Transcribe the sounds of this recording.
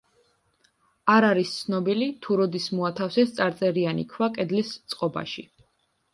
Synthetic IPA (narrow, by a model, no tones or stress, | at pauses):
aɾaɾist̪sʰnɔbilit̪ʰuɾɔd̪ismuat̪ʰafsɛst̪sʼaɾt̪sʼɛɾianikʰwakʼɛd̪list̪sʼqʼɔba̰ʃi